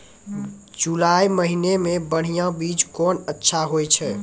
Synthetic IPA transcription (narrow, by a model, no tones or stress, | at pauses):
d͡ʒulajməɦinemebəɽ̤ijãbid͡ʒkɔnətːʃʰaɦojt͡ʃʰɛ